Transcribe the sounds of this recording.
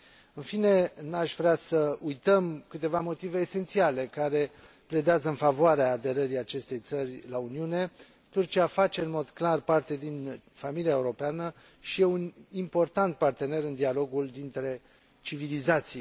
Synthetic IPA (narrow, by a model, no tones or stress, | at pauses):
ɨnfine̞naʃvɾeasəujt̪əmkɨt̪e̞vamo̞t̪ive̞ːse̞nt̪siale̞kaɾe̞ | ple̞d̪eazəɨnfavoaɾeaːd̪e̞ɾəɾiat͡ʃe̞st̪e̞jt̪sərʲlauniune̞ | t̪urt͡ʃiafat͡ʃe̞ɨnmo̞d̪klarpart̪e̞d̪in | familiaeuɾo̞peanə | ʃijeunimpo̞rt̪ant̪̚part̪e̞ne̞ɾɨnd̪ialo̞ɡuld̪int̪ɾe̞ | t͡ʃivilizat̪si